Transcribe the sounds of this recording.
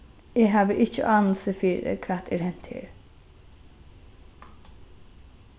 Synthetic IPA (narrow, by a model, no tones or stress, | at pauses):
eːɦɑːʋəʔɪcːə̰ʔɑːnəlsəfiːɾə̰kʰʋæːt̪ʰɛɾhɛn̥t̪ʰɪ̰ɾ